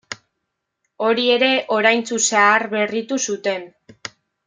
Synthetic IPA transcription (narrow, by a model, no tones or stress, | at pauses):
o̞ɾie̞ɾe̞ʔo̞ɾajnt͡susaaɾβe̞rit̪usut̪e̞n